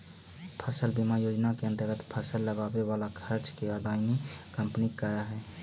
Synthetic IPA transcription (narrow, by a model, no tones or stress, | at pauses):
pʰəsəlbimajod͡ʒnakeə̃nt̪əɾɡət̪pʰəsəlːəɡabeʋalakʰəɾt͡ʃkeəd̪ʱaɪnikəmpnikːəɾaɦɛ